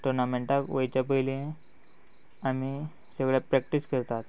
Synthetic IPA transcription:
ʈuɾnameɳʈakʋəjt͡ɕapəjliẽ | ami | səɡɭjapɾɛk̚ʈiskəɾt̪at̪

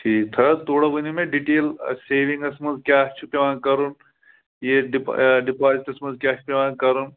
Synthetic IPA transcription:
ʈʰiːkt̪ʰɐt̪oːɽɐʋunimẽɖiʈeːlseːʋĩŋɡɐsmɐnzkʲaːt͡ʃʰpeʋãːnkɐɾun | jeɖipɖipaːziʈɐsmɐnzkʲaːʃʰpeʋãːnkɐɾun

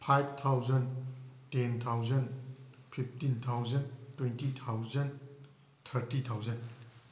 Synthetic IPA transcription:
pʰajb̚t̪ʰawzɐntent̪ʰawzɐnpʰip̚ʰtint̪ʰawzɐntwejntit̪ʰawzɐn | t̪ʰəɾtit̪ʰawzɐn

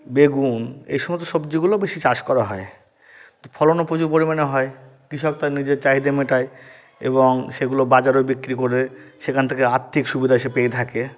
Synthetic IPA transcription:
beɡunḛjʃɔmost̪ːoʃobd͡ʑiɡulobeʃit͡ɕaʃkɔɾaɦɔe | t̪opʰɔlonopɾod͡ʑuɾpoɾimaneɦɔekɾiʃɔk̚t̪aɾnid͡ʑeɾt͡ɕaɦid̪emeʈae | ḛboŋʃeɡulobad͡ʑaɾobikːɾikoɾeʃekʰant̪ʰekeaɾt̪ʰːikʃubid̪ʱaeʃepejt̪ʰake

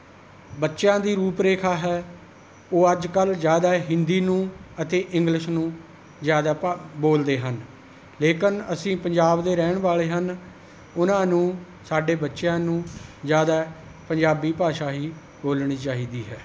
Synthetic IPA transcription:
bətːʃjãːd̪iːɾuːpɾeːkʰaːɦɛː | oːəd͡ʒkəlzjaːd̪aːɦɪnd̪iːnũːət̪eːʔɪ̃ŋɡlɪʃnũː | zjaːd̪aːboːld̪eːɦən | leːkɪnəsĩːpəɲd͡ʒaːbd̪eːɾɛːɳʋaːleːɦən | ʊnãːnũː | saːɖeːbətːʃjãːnũːzjaːd̪aː | pəɲd͡ʒaːbiːpaːʃaːɦiː | boːlɳ̃iːt͡ʃaːɦiːd̪iːɦɛː

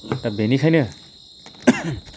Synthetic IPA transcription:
t̪abenikʰajnɯ

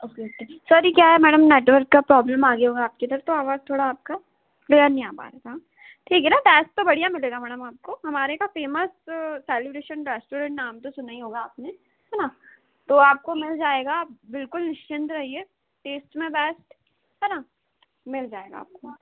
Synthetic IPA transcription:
oket̪esɔːɾikjaːɦɛmɛːɽəmneːʈʋəɾkːapɾɔːbləmaːɡeɦoːɡaːp̚kẽd̪əɾft̪oaːʋaːzt̪ʰoːɽaːp̚ka | ɡanĩaːpa̰ːɾeɡ̪a | ʈʰiːkɦɛnad̪ɛːst̪obɐɽ̤ijamɪleːɡamɛːɽəmaːp̚koɦɐmaːɾekafeːməsːɛːlɪbɾeːʃə̃nɾɛːsʈuːɾə̃ɳʈnaːmt̪osʊnaiɦoːɡaːpne | ɦɛːna | t̪oaːp̚komɪld͡ʒaːeːɡaːp̚bɪlkʊlnɪʃt͡ʃɪ̃nd̪ɾɐɦie | ʈeːsʈmẽbɛːsʈ | ɦɛːna | mɪld͡ʒaːeːɡa̰a̰ːp̚ko

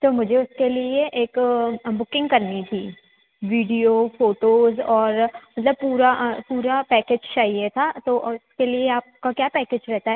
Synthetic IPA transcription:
t̪oːmʊd͡ʒʱeʊskelieʔeːkbʊkɪ̃ŋɡkɐɾnit̪ʰiː | ʋiːɖiofoːʈoːzɔːɾmɐt̪ləb̚puːɾapuːɾapɛːkeːd͡ʒt͡ʃaːɦiet̪ʰat̪oʔʊskelieaːp̚kakjaːpɛːkeːd͡ʒɾɛɦt̪aɦɛ

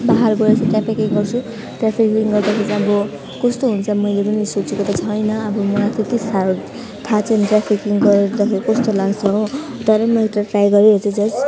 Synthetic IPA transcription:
baɦarbʌɾet͡sʰʌʈapʰikiɡʌrt͡sʰu | ʈrapʰikiŋɡʌrd̪akʰet͡sʌbʌ | kʌst̪oɦunt͡sʰʌmʌjlepʌnisot͡sukot̪ʌt͡sʰʌjnʌːbʌmʌat̪ʰit̪isal | t̪ʰat͡sʰʌnʈrapʰikiŋɡʌɾed̪ʌkʰeɾikʌst̪olaɡt͡sʰʌɦot̪ʌɾʌmʌekʈaʈrajɡʌɾeʌt͡sʌ̃d͡zʌs

